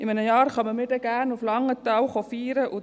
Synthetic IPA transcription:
ɪmɛnəjɑːɾχɑməmɪdəɡænʊflɑŋət̪awχɔfiːɾəʔʊ

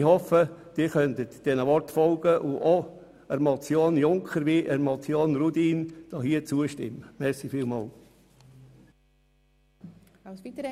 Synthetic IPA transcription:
hɔfəd̥iːχœntətd̥ɛnəʋɔɾtfɔlɡ̥əʔʊʔo | əɾmɔt͡sjoːnjʊŋkχəɾʋiʔəɾmot͡sjoːnrudiːnd̥ɑːɦiːət͡suəʃtɪ̰mːəmɛsifiːlmɑːl

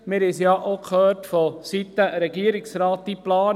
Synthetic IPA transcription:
mɪɾɛsjɑʔokʰχøːrtfɔsit̪ːəɾɛɡiəɾɪksɾɑːt̪̚d̥iplɑːn

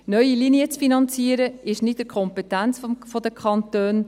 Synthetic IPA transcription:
nœʏiliniət͡sfinɑnt͡siəɾəɪʃnɪtəkʰχɔmpɛtænt͡sffɔd̪əkʰχɑntøːn

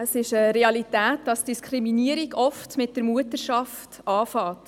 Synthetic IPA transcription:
əsɪʃəɾeɑlitæːtdɑsd̥iskʰɾiminiəɾiɡɔftmɪt̚dəɾmuətəɾʃɑftɑːfɑːt

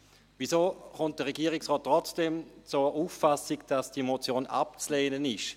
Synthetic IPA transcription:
vizoːχʊnt̚d̥əʁɛɡiːʁɪksʁɔːt̚tːʁɔt͡sd̥emt͡suːɐuːfːasɪɡd̥asd̥imot͡sjoːna̰p̚t͡sleːnənɪʃ

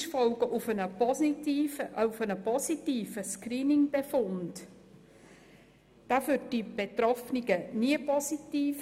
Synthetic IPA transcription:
ʃfɔlɡ̥əʔʊfənəɔsiiːʔəufənəpɔsitiːfəskriːnɪŋb̥efʊnd | d̥aːfʏːd̚d̥ib̥etrɔfniɡ̥əniəpɔsitiːf

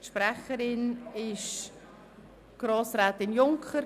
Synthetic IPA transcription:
ʃpɾɛχəɾɪnɪʃ | ɡ̥ɾoːsɾaːt̪ɪnjʊŋkχəɾ

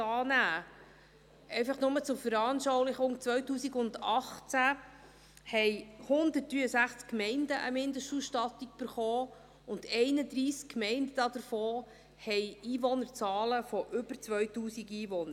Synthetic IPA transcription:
ɑːnæː | ʔɛɪfɑχnʊmət͡sʊɾfəɾɑːnʃɔwlɪχʊŋt͡sʋœɥtuːsiɡʊndɑχt͡sæ | hɛɪhʊnd̪ətɾyːəsæχt͡skmɛɪndəʔəmɪndəʃtuːsʃtɑtiɡb̥əɾχɔː | ʊnd̥ɛɪnəd̪ɾiːskkmɛɪndəd̥ɑd̪əɾfɔː | hɛjiːʋɔnəɾt͡sɑːləfɔʔʏbəɾt͡sʋœɥtuːsiɡiːʋɔnəɾ

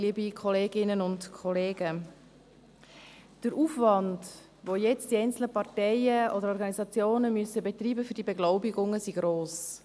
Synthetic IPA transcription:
libikʰɔleːɡɪnənʊntkʰɔleːɡə | d̥əɾʔuːfvɑnd | ʋojɛt͡std̥iɛɪnt͡sl̩nəpɑtɛɪəɔdəɾɔɾɡɑnizɑt͡sjoːnəmysəbetriːbəfʏd̥ibɛɡlɔʊbɪɡʊŋəsiɡɾoːs

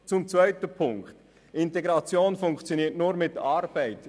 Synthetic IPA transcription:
t͡sʊmt͡svœʏtəpʰʊŋkt | ɪnteɡʁɑt͡sjoːnfʊŋkt͡sjoniːɐtnuːɾmɪtɑɾb̥æɪt

